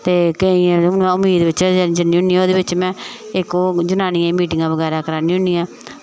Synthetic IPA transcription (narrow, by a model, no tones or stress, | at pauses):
t̪eːkiãːnãːʊmiːd̪eʋɪt͡ʃanĩd͡ʒənːĩːʊ̃niːãoːd̪eːʋɪt͡ʃmɛ̃ːɪkoːd͡ʒʊnaːnĩːãmiːʈɪŋɡãːʋəɡɛːɾaːkəɾaːnĩːɦʊniːãː